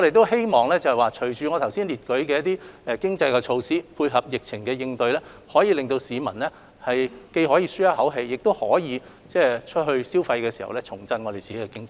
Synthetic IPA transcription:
ŋɔ˧e˨jt̪̬o˥whe˥jmɔː˨ŋlɛː˥t͡sɐ˨hɐ˨jwaː˨t͡ʃʰɵ˨˩ɥt͡ʃyː˨ŋɔː˨˧t̪ʰɐ˨˩wsiː˥nliː˨˩t̚kɵ˨˥ɥkɛː˧jɐ˥t̪iː˥ɛ˧kɪ˥ŋt͡sɐ˧jkɛ˧t͡ʃʰo˧wsiː˥˩pʰuː˧jɦɐ˨p̚jɪ˨k̚t͡sʰɪ˨˩ŋkɛː˧jɪ˧ŋt̪ɵ˧ɥlɛː˥ | hɔː˨˥jiː˧lɪ˨ŋt̪o˧wsiː˨˧mɐ̰˨˩nlɛː˥ | hɐ˨jke˧jɦɔː˨˥jiː˧syː˥jɐ˥hɐ˨˥wɦe˧jːɪ˨k̚t̪o˥whɔː˨˥jiː˨˧ | t͡sɛː˥˩t͡ʃʰt̚ɦɵ˧ɥsiː˥wfɐ˧jkɛː˧siː˨˩hɐ̰˨wlɛː˥t͡sʰʊ˨˩ŋt͡sɐ˥nŋɔː˧e˨jt͡siː˨˩e˦˥kɛː˧kɪ˥ŋt͡sɐ˨˦j

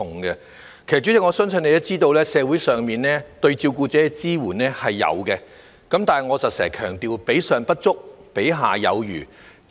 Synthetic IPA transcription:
ʊ˨˩ŋɡɛ˧ | kʰe˨˩jt͡ʃyː˨˥jɛ˥ŋɔː˨˧sœ˥ŋsɵ˨˧˥ne˨˧jɐ˥t͡siː˥t̪o˧wlɛː˥sɛː˨˧wuː˨˥jsœː˨ŋmiː˨nnɛː˥t̪ɵ˧ɥt͡siː˧wkuː˧t͡sɛː˨˥kɛ˧t͡siː˥wuː˨˩nɛː˥hɐ˨jːɐ̰˨˧wkɛ˧ | kɐ˨˥mt̪aː˨nɐ˨jŋɔː˨˧sɐ˨t̚sɛ̰ː˨˩kʰœː˨˩ŋt̪iː˨wpe˨˥jsœː˨˧ŋpɐ˥t̚t͡sʊ˥k̚pe˨˥jɦa̰ː˨jɐ̰˨˧wjyː˨˩

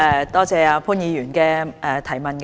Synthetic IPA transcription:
ɛ˧˩t̪ɔː˥t͡sɛː˨˧aː˨˧pʰuː˥njiː˨˧jyː˨˩nkɛː˧ʔɛ˨t̪ʰɐ˨˩jmɐ˨nk

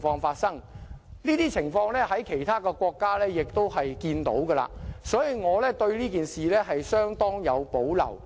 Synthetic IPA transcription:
fɔː˧ŋfaː˧t̚sɐ˥ŋniː˥t̪iː˥t͡sʰɪ˨˩ŋfɔː˧ŋlɛː˥ɦɐ˨˥jkʰe˨˩jt̪ʰaː˥kɛ˧kwɔː˧kːaː˥lɛː˥jɪ˨k̚t̪o˥whɐ˨jkiː˧nt̪o̰˨˥wɡə˧la̰ː˧sɔː˨˥jiː˨˧ŋɔː˨˧lɛ˥t̪ɵ˧ɥliː˥kiː˨nsiː˨lɛː˥ɦɐ˨jsœː˥ŋt̪ɔː˥ŋjɐ˨˧wpo˨˥wlɐ̰˨˩w

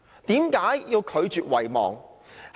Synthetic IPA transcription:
t̪iː˨˥mkaː˨˥jjiː˧wkʰɵ˨˧ɥt͡ʃyː˨t̚wɐ˨jmɔ̰ː˨˩ŋ

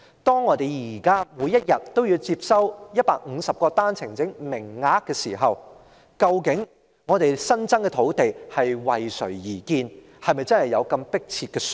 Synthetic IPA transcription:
t̪ɔː˥ŋːɔː˨˧t̪e˨jjiː˨˩kaː˥mu˨˧jːɐ˥t̚jɐ˨tt̪ːo˥wjiː˨˧wt͡siː˧p̚sɐ˥wjɐ˥t̚pa̰ː˧˨k̚ŋ̩˨˧sɐ˨p̚kɔː˧t̪aː˥nt͡sʰɪ˨˩ŋt͡sɪ˨˥ŋmɪ˨˩ŋːaː˨˥kːɛː˧sḭː˨˩ɦɐ˨w | kɐ˧wkɪ˨˥ŋ | ŋɔː˨˧t̪e˨jsɐ˥nt͡sɐ˥ŋkɛː˧t̪ʰo˨˥wt̪e˨jhɐ˨jwɐ˨jsɵ˨˩ɥjiː˨˩kiː˧n | hɐ˨jmɐ˨jt͡sɐ˥nhɐ˨jɐ˨˧wkɐ˧mpɪ˥k̚t͡sʰiː˧t̚kɛː˧s

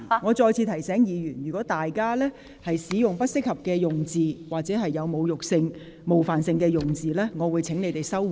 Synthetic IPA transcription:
ŋɔː˨˧t͡ʃɔː˧jt͡sʰiː˧t̪ʰɐ˨˩jsɛː˨˥ŋjiː˨˧jyː˨˩njyː˨˩kɔː˨˥t̪aː˨jkaː˥lɛː˥ | hɐ˨jsiː˨˥jʊ˨ŋpɐ˥t̚sɪ˥k̚hɐ˨p̚kɛː˧jʊ˨ŋt͡siː˨waː˨k̚t͡sɛː˨˥ɦɐ˨jːɐ˨˧wmo˨˧wjʊ˨k̚sɪ˧ŋ | mo˨˩wfaː˨nsɪ˧ŋkɛː˧jʊ˨˩ŋt͡siː˨lɛː˥ŋɔː˨˧wuː˨˧jt͡sʰɪ˨˥ŋne˨˧jt̪e˨˩jsɐ˥w

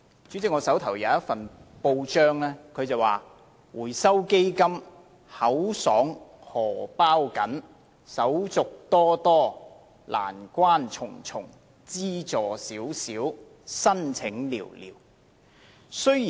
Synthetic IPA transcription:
t͡ʃyː˨˥t͡sɪ˨˥ŋɔː˨˧sɐ˨˥wt̪ʰɐ˨˩wjɐ˨˧wɐ˥tfɐ˨npo˧wt͡ʃœː˥ŋlɛː˥kʰɵ˨˧ɥt͡sɐ˨˩waː˨ | wuː˨˩jsɐ˥wke˥jkɐ˥m | hɐ˨˥wsɔː˨˥ŋhɔː˨˩paː˥wkɐ˨˥n | sɐ˨˥wt͡sʊ˨k̚t̪ɔː˥t̪ɔː˥ | la̰ː˨˩nkʷaː˥nt͡sʰʊ˨˩ŋt͡sʰʊ˨˩ŋ | t͡siː˥t͡sɔː˨˩siː˨˥wsiː˨˥w | sɐ˥nt͡sʰɪ˨˥ŋlḭː˨˩wlḭː˨˩w | sɵ˥ɥjiː˨

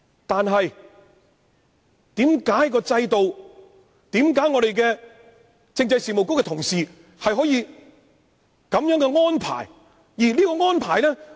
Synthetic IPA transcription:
t̪aː˨nɦɐ˨j | t̪iː˨˥mkaː˨˥jkɔː˧t͡sɐ˧jt̪o˨w | t̪iː˨˥mkaː˨˥jŋɔː˨˧ɾe˨jkɛː˧ | t͡sɪ˧ŋt͡sɐ˧jsiː˨mo˨˩wkʊ˥kɛ˧t̪ʰʊ˨˩ŋsiː˨ | hɐ˨jɦɔː˨˥jiː˧ | kɐ˨˥mjœː˨˥ŋkɛ˧ŋɔː˥npʰa̰ː˨˩j | jiː˨˩liː˥kɔː˧ŋɔː˥npʰaː˨˩jlɛː˥

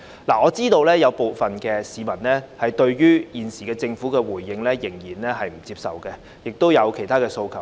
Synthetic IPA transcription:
laː˨ɔː˨˧t͡siː˥t̪o˧wlɛː˥jɐ˨˧wpo˨wfɐ˨nkɛː˧siː˨˧mɐ˨˩nlɛː˥hɐ˨jt̪ɵ˧ɥɥyː˥jiː˨˩nsiː˨˩kɛː˧t͡sɪ˧ŋfuː˨˥kɛː˧wuː˨˩jːɪ˧ŋlɛː˥jɪ˨˩ŋjiː˨˩nlɛː˥ɦɐ˨jm̩˨˩t͡siː˧p̚sɐ̰˨wkɛ˧ | jɪ˨k̚t̪o˥wjɐ˨˧wkʰe˨˩jt̪aː˥kɛː˧so˧wkʰɐ˨˩w

